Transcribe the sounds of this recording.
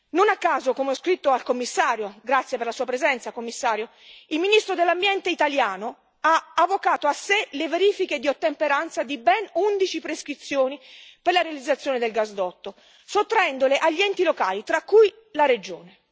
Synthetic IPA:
nonakːaːzokomeɔskɾit̪ːoalkomːisːaːɾjoɡɾat̪sjeperlasuːapɾezɛnt̪sakomːisːaːɾjo | ilminist̪ɾod̪elːambjɛnt̪eit̪aljaːno | aavːokaːt̪oasːeleveɾiːfiked̪iot̪ːempeɾant̪sad̪ibɛnund̪it͡ʃipɾeskɾit̪sːjoːniperlaɾealid̪zat̪sːjoːned̪elɡazd̪ɔt̪ːo | sot̪ːɾaɛnd̪oleʔaʎːiɛnt̪ilokaːlit̪ɾakːuj | laɾed͡ʒoːne

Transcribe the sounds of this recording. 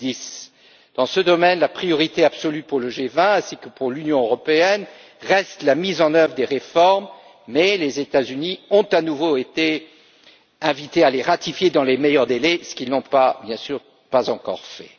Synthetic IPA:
d̪is | d̪̥ɑ̃səd̪ɔmɛnlapχijɔʁit̪eabsɔlypuʁləʒevɛ̃ɛ̃sikəpuʁlynjɔ̃øʁɔpeɛn | ʁɛst̪lamizɑ̃nœvʁəd̪eʁefɔʁmː | ɛlezet̪azyniɔ̃t̪anuvoet̪e | ɛ̃vit̪ealeʁat̪ifjed̪ɑ̃lemejœʁd̪elɛsə̥kʲilnɔ̃pabjɛ̃syːʁ | pazɑ̃kɔ̰ʁfɛ̰

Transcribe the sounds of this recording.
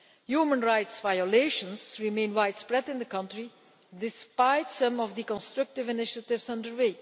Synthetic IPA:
juːmə̃nɹajtsvajɔleɪʃə̃nsɹimẽnwajdspɹɛdɪ̃nd̪əkʌ̃ntɹi | dɪspaɪtsʌ̃mɔvd̪əkɔ̃nstɹʌk̚tɪvɪnɪʃətɪvsʌ̃ndəɹweː

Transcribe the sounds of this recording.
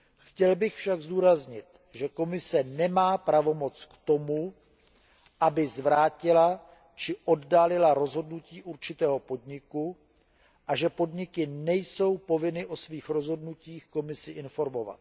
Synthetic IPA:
xcɛlbɪxfʃaɡzduːɾazɲɪt̪ | ʒɛko̞mɪsɛnɛmaːpɾavo̞mo̞t͡skt̪o̞mu | ʔabɪzvɾaːcɪla | t͡ʃɪʔo̞ddaːlɪlaɾo̞zɦo̞dnuciːʔuɾt͡ʃɪt̪ɛːɦo̞po̞dɲɪku | ʔaʒɛpo̞dɲɪkɪnɛjso̞wpo̞vɪnɪʔo̞sviːxɾo̞zɦo̞dnuciːxko̞mɪsɪʔɪnfo̞ɾmo̞va̰t̪

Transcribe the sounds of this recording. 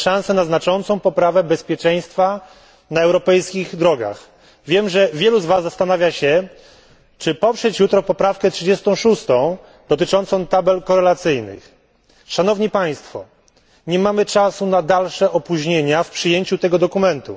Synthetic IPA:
ʂãñsɛnaznat͡ʂɔnt̪sɔ̃w̃pɔpɾavɛbɛspʲjɛt͡ʂɛj̃st̪fa | naɛwɾɔpɛjskʲiɣd̪ɾɔɡa̰x | vʲjɛmʐɛvʲjɛluzvazːast̪anavʲjaɕɛ | t͡ʂɘpɔpʂɛt͡ɕjut̪ɾɔpɔpɾafkɛtʂɨd͡ʑɛst̪ɔ̃w̃ʂust̪ɔ̃w̃ | d̪ɔt̪ɘt͡ʂɔnt̪sɔ̃w̃t̪abɛlkɔɾɛlat̪sɘjnɘ̰x | ʂanɔvɲipaj̃st̪fɔ̰ | ɲɛmamɘt͡ʂasunad̪alʂɛʔɔpuʑɲeɲafpʂɘjeɲt͡ɕut̪ɛɡɔd̪ɔkumɛnt̪ṵ

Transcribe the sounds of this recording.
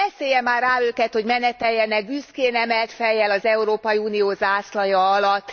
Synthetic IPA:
ɛseːjɛmːaːraːøːkɛt̪ho̞ɟmɛnɛt̪ɛjːɛnɛɡ̚byskeːnɛmɛlt̪fɛjːɛlɒzɛuɾoːpɒjiuːnioːzaːslɒjɒɒlɒt̪ː

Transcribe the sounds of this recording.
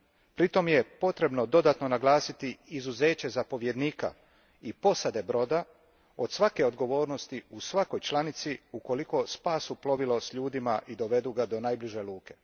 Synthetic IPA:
pɾit̪o̞mje̞po̞t̪ɾe̞bno̞d̪o̞d̪at̪no̞naɡlˠaːsit̪iizuze̞ːt͡ɕe̞zapo̞ʋje̞d̪niːka̰ | ipo̞sad̪e̞bɾo̞ːd̪a | o̞d̪̥sʋake̞o̞d̪ɡo̞ʋo̞ːɾno̞st̪iusʋako̞jt͡ʃlˠanit̪siuko̞liko̞spaːsuplo̞ʋilo̞sʎuːd̪imaʔid̪o̞ʋed̪uɡad̪o̞najbliʒe̞luːke̞̥

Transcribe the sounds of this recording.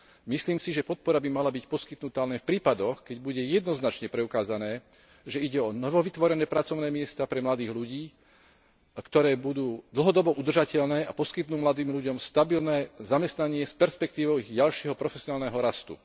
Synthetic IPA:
misliːmsiʒɛpɔt̪̚pɔɾabimalabicpɔskit̪nut̪aːlɛnfpɾiːpad̪ɔxkɛɟbuɟɛjɛd̪nɔznat͡ʃɲɛpɾɛukaːzanɛː | ʒɛiɟɛɔnɔʋɔʋit̪ʋɔɾɛnɛːpɾat͡sɔʊnɛːmɪɛst̪apɾɛmlad̪iːɣluɟiː | kt̪ɔɾɛːbud̪uːd̪l̩ˠɦɔd̪ɔbɔʔud̪r̩ʒacɛʎnɛːapɔskit̪nuːmlad̪iːmʎuɟɔmst̪abilnɛːzamɛst̪naɲɪɛspɛɾspɛk̚t̪iːʋɔʊiɣɟalʃɪɛɦɔpɾɔfɛsiɔnaːlnɛɦɔɾast̪ṵ

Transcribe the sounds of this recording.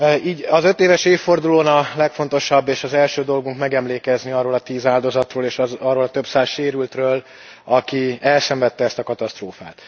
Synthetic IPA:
iːɟɒzø̞t̪eːvɛʃeːfːo̞rd̪uloːnɒlɛkfo̞nt̪o̞ʃɒbːeːʃɒzɛlʃøːd̪o̞lɡuŋkmɛɡɛmleːkɛzniɒrːoːlɒt̪iːzaːld̪o̞zɒt̪roːleːʃɒrːoːlɒt̪ø̞bsaːzʃeːɾylt̪røːl | ɒkiɛlsɛɱvɛt̪ːɛɛst̪ɒkɒt̪ɒst̪roːfaːt̪

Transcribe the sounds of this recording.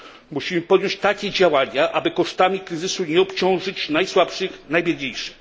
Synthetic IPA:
muɕimɘpɔd̪jɔɲt͡ɕt̪akʲɛd͡ʑawaɲaʔabɘkɔʂt̪amʲikɾɘzɘsuɲɛɔpt͡ɕɔ̃w̃ʐɘt͡ɕnajswapʂɘxnajbʲɛlɲejʂɘ̥x

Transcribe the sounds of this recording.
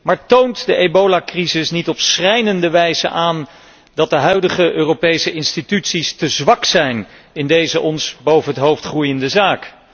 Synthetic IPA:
maːɹtowntdəʔejbowlakrizɪsnitɔpsrɛjnəndəʋɛjzə̰ʔaːn | dɑt̚dəɦœɥdəχəʔøːrowpejsəʔɪnstitytsistəzʋɑksɛjn | ɪndejzəʔɔnsbowvənɦətɦowftχrujəndəzaːk

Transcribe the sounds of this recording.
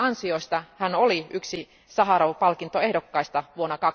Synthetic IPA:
ɑnsioist̪ɑhænoliyksi | sɑɦɑɾɑʋpɑlkint̪oehdokːɑist̪ɑʋuonːɑkɑ

